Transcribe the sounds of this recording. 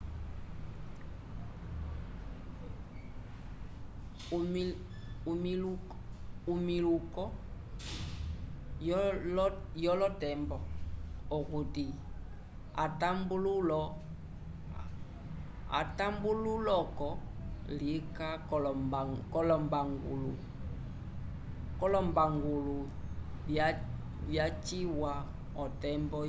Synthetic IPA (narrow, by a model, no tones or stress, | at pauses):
m | umilukɔ | jɔlɔtɛmbɔokuti | a̰tambululɔ | a̰tambululɔkɔlika | kɔlɔmbaŋɡulu | kɔlɔmbaŋɡulu | βjat͡ʃiwa | ɔtɛmbɔ